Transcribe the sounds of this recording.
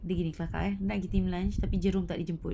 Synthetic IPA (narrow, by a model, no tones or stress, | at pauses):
dəɡinikəlaka̰ʔɛhnaʔɡit̪imlant͡ʃt̪apid͡ʒəɾʊmt̪aʔdid͡ʒəmpʊt̪